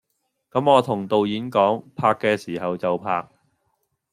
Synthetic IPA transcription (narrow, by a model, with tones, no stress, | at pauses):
kɐ˨˥mɔː˨˧t̪ʰʊ˨˩ŋt̪o˨wjiː˨˥nkɔː˨˥ŋpʰaː˧kːɛː˧siː˨˩hɐ˨wt͡sɐ˨wpʰa̰ː˧k̚